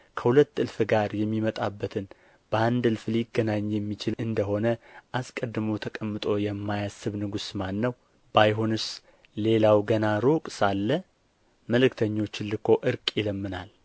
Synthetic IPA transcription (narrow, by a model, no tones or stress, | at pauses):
kʰəhulət̪ːɨlfɨɡaɾjɛmːimət̪ʼabːət̪ʰɨn | b̥əand̪ɨlfliɡːənaɲːjɛmːit͡ʃɪlɨnd̪əɦo̞nəʔaskʼəd̪ɨmo̞t̪ʰəkʼəmːɨt̪ʼo̞jɛmːajasːɨβnɨɡusmanːəw | bajɦonɨs | le̞lawɡənaɾukʼsalːə | məlɨkt̪ʰəɲːo̞t͡ʃːɪnlɨkʰo̞ʔɨɾkʼjɪləmːɨnal